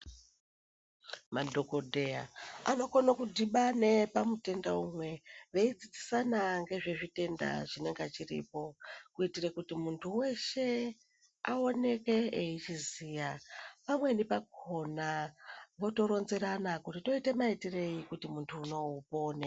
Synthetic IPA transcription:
madʱo̞ko̞dʱe̞ja̰a̰no̞konokudʱiɓane̞pamute̞ndaumwe̞ʋe̞it͡sit͡si̥sanaŋɡe̞ʐe̞ʐite̞nda̰ʐine̞ŋɡat͡ʃirḭpo̞kuitirekutimuntʰuwe̞ʃe̞ | ao̞ne̞ke̞eit͡ʃiziːjapamwe̞nipakʰo̞naʋo̞to̞ɾo̞nze̞ɾanakutito̞ite̞maitire̞ikutimuntʰuːno̞upo̞ːne

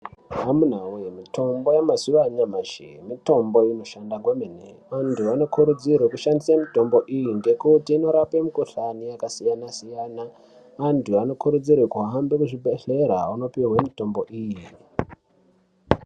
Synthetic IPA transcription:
ɦamun̤awujemito̞mbo̞jamazuʋaɲamaʒḛmito̞mbo̞inoʃandaɡwemeneʋantʰuano̞kuɾud͡zirwekuʃandisamito̞mbo̞ʔijinde̞kutiːno̞ɾapemukoɬanijakasijanasijana | ʋantʰuano̞kuɾud͡zirwekuɦambekuʐibʱeɬe̞ɾa̰uno̞piɦwemito̞mbo̞ʔiːji

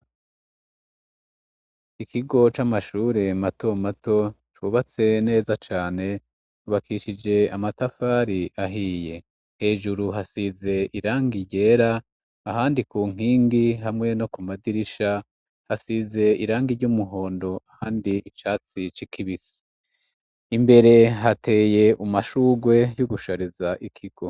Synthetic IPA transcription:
ikiɡo̞t͡ʃamaʃuːɾe̞mato̞mato̞ | t͡ʃuβat͡se̞ne̞ːzat͡ʃaːne̞ | uβakʰiʃid͡ʒe̞amatafaːɾiʔaɦiːje̞ | he̞ːʒuɾuɦasize̞ʔiɾaːŋɡiɟe̞ːɾaː | ɦaːndikuːŋ̥iːŋɡiɦamŋe̞no̞kumadiɾiʃa | hasize̞iɾaːŋɡiɾɟumuɦo̞ːndo̞ahaːndiit͡ʃaːt͡sit͡ʃikʰiβisi̥ | imbe̞ɾe̞ɦatʰe̞ːje̞ʔumaʃuːɡwe̞juɡuʃaɾizaʔikʰiɡ̥o̞

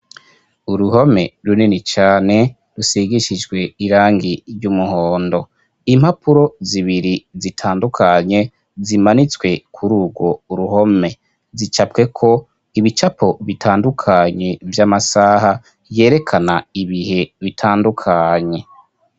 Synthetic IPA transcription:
uɾuho̞me̞̰ɾuninit͡ʃaːne̞ | ɾusiɡiʃid͡ʒɡwe̞iɾaːŋɡiɾɟumuhoːndo̞ | im̥hapʰuɾo̞ziβiɾizitʰaːndukʰaɲe̞ | zimanit͡swe̞kʰuɾuːɡwo̞uɾuɦo̞me̞ | zit͡ʃapke̞kʰo̞ | iβit͡ʃapʰo̞βitʰaːndukʰaɲe̞vjamasaːha | je̞ːɾe̞kʰanaiβihe̞βitʰaːndukʰaɲe̞

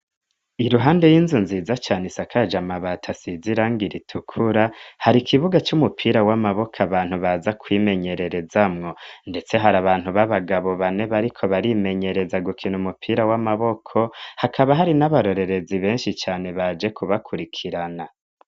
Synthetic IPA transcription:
iɾuɦaːnde̞jiːnzunziːzat͡ʃaːnisakʰad͡ʒamaβatʰasiziɾaŋɡiɾitʰukʰuɾahaɾikʰiβuɡat͡ʃumupʰiːɾawamaβo̞kʰaβaːn̥huβazakʰwiːme̞ɲe̞ɾe̞ɾe̞zamŋo̞nde̞t͡se̞ɦaɾaβaːn̥huβaβaɡaβo̞βane̞βaɾikʰo̞βaɾime̞ɲe̞ɾe̞zaɡukʰinumupʰiːɾawamaβo̞kʰo̞hakʰaβaɦaɾinaβaɾo̞ɾe̞ɾe̞ziβe̞ːnʃit͡ʃaːne̞βad͡ʒe̞kʰuβakʰuɾikʰiɾana

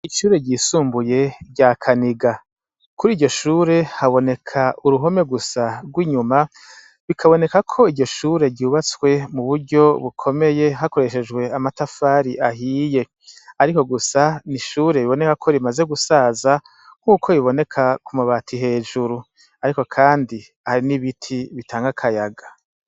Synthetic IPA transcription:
iʃuːɾe̞ɟiːsuːmbuje̞ɾɟakʰaniɡa | kuɾiːɟo̞ʃuːɾe̞haβo̞ne̞kʰauɾuɦo̞me̞ɡusaɡwiːɲuma | βikʰaβo̞ne̞kakʰo̞iɟo̞ʃuːɾe̞ɟuːβat͡swe̞muβuɾɟo̞βukʰo̞me̞je̞ɦakoɾe̞ʃe̞d͡ʒɡwe̞amatafaɾiʔaɦiːje̞ | aɾiko̞ɡusaniʃuːɾe̞βiβo̞ne̞kakʰo̞ɾimaze̞ɡusaza | ŋ̥uːkʰo̞iβo̞ne̞kʰakumuβaːtʰiɦe̞ːd͡ʒuɾu | aɾiko̞kʰaːndi | haɾiniβitʰiβitʰaːŋɡakʰajaɡa

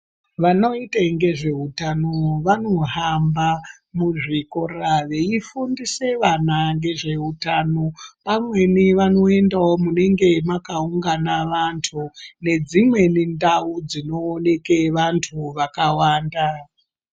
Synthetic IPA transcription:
ʋano̞itaŋɡe̞ʐe̞utanoʋano̞ɦamba | muʐiko̞raʋe̞ifundise̞ʋanaŋɡe̞ʐe̞utano̞pamwe̞niʋano̞e̞ndaomune̞ŋɡe̞makauŋɡanaʋantʰune̞d͡zimwe̞nindaud͡zino̞ːne̞ke̞ʋantʰuʋakawaːnda

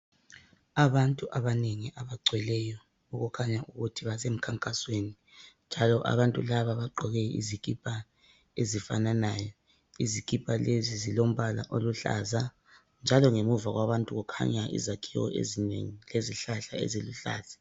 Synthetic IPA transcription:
aβantʼuʔaβaneŋiʔaβaǀʱwɛlɛjɔ | uɣukʰaɲaʔuɣutʰiβasem̩kʰaŋkʼasweni | nd͡ʒʱalɔʔa̰βantʼulaβaβaɡ͡ǃʱɔɣɛḭzikʼipʰʼa | ezifa̰nanaːjɔ | izikʼipʰʼalezizilom̩βala̰ʔoluɬa̰za | nd͡ʒʱalɔŋemuvaɣwaβantʼuɣukʰa̰ɲaʔḭzakʰiɣɔ̰ʔḛzinḛŋileziɬaɬaḛziluɬa̰ːz̥ḁ

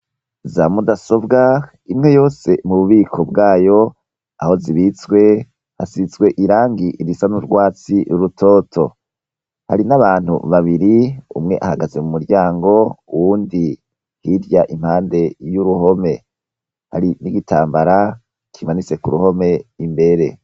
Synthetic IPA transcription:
zamudaso̞bɡa | imŋe̞jo̞ːse̞muβuβiːkʰo̞bɡaːjo̞ | aho̞ziβit͡sɡwe̞ | hasizɡwe̞ʔiɾaːŋɡiʔiɾisanuɾɡwaːt͡siɾuɾutʰo̞ːtʰo̞̰ | ha̰ɾinaβaːn̥hṵβaβiɾiṵmŋe̞ʔahaɡaze̞mumuɾɟaːŋɡo̞uwuːndi | hiɾjaʔimhaːnde̞juɾuho̞me̞ | ha̰ɾiniɡitʰaːmbaɾa | kʰimanit͡se̞kuɾuho̞me̞imbe̞ɾe̞̰

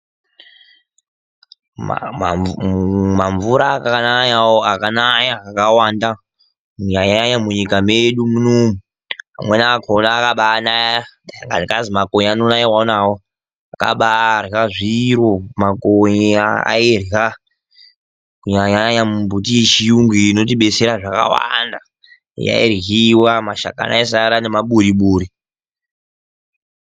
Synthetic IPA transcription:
ma̰a̰ | maɱvuɾakaanaɲawoakanaɲakawanda | muɲaɲaɲamuɲikameɗumunoːmu | ɦa̰mwenakʰonaːkaɓanaja | ŋɡanikazimakoɲanonaɲiwanawo | aka̰ɓaraʐiɾomakoɲiaa̰irɦa | kuɲaɲaaɲamumbʱutijet͡ʃijuŋɡiːno̞t̬iɓe̞t͡se̞ɾaʐaka̰wa̰nda | ja̰ḭrɣiwamaʃa̰ka̰na̰isaɾane̞maɓuɾiɓuːɾi

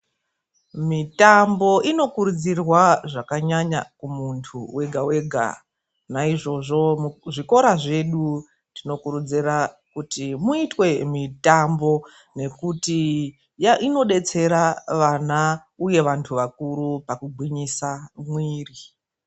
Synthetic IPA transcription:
mitambo̞ʔino̞kuɾud͡zirwaʐakaɲaɲa̰kumuntʰuwe̞ɡʱawe̞ɡʱa̰ | naiʐo̞ʐo̞ʐiko̞ɾaʐe̞ɗu | tino̞kuɾud͡zira | kutimuitwe̞mitambo̞ | ne̞kuti | jaʔino̞ɗe̞t͡se̞ɾaʋana | uje̞ʋantʰuʋakuɾupakuɡʱwiɲisamwiːri

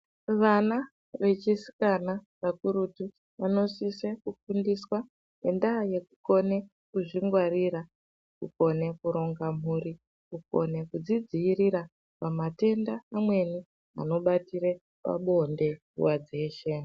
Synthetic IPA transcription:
ʋana | ʋe̞t͡ʃisi̥kanaʋakuɾutu | ʋano̞sisekufundiswa | ne̞ndaje̞kuko̞ne̞ | kuʐiŋɡwariɾa | kuko̞ne̞kuɾo̞ŋɡam̤uɾi | kuko̞̰ne̞kud͡zid͡ziːriɾa | pamate̞ndaːmwe̞ni | a̰no̞ɓatiɾe | pa̰ɓo̞nde̞ | ṵwad͡ze̞ːʃe̞

